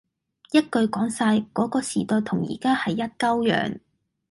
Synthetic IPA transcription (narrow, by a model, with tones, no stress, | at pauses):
jɐ˥t̚kɵ˨˧ɥkɔː˨˥ŋsaː˧jkɔː˨˥kɔː˧siː˨˩t̪ɔː˨˧jt̪ʰʊ˨˩ŋjḭː˨˩kaː˥hɐ˨jːɐ˥t̚kɐ˥wjœ̰ː˨˥ŋ